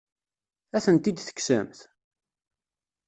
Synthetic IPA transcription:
æθənt̪id̪θə̥kːsə̰mθ

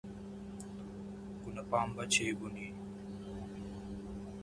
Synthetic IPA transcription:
kunɐpaːmbɐt͡ɕʰejɡuni

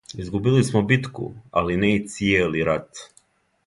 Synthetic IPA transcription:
izɡubilismobit̪kṵa̰linɛt̪sieliɾat̪

